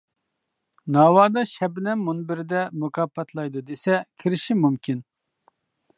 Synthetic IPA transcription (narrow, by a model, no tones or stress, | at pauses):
nɑːwɑːd̪ɑʃɛbɪnɛmːunbɪɾɪd̪ɛmukʰɑpʰːɛt̪ʰlˠɑjd̪ud̪esɛkʲʰiɾɪʃimumkʲʰin